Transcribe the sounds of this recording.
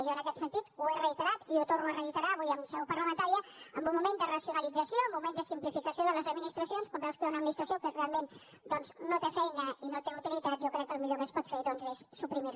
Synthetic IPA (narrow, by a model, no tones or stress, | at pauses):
ʒoənəkɛt̪sənt̪it̪uerəit̪əɾat̪iut̪ornuərəit̪əɾaβujəmsɛwpəɾləmənt̪aɾiəəmbumːumẽnd̪ərəsjunəlid͡zəsioəmbːumẽnd̪əsimplifikəsijoðələzəd̪minist̪ɾəsionskwambɛwskunəd̪minist̪ɾəsiokərealˠmẽn | d̪ɔnznot̪efɛjnəinot̪eŋut̪ilit̪at̪zʒokɾɛkːəlmiʎokəspɔt̪feðɔnzesːupɾimiɾ